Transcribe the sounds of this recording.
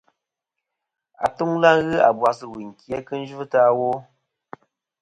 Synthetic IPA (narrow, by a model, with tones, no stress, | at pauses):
a̰˨tu˦ŋla˦ŋɣɨ˦a̰˨bwa˨sɨ˨wi˨ŋ̩˨kje˦kɨ˦n̩˦d͡ʒu˦ta˦wo˦